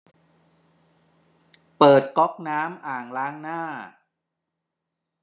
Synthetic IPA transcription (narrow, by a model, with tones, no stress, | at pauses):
pɤː˨˩t̪̚kɔ˦˥k̚naː˦˥mʔaː˨˩ŋlaː˦˥ŋnaː˥˩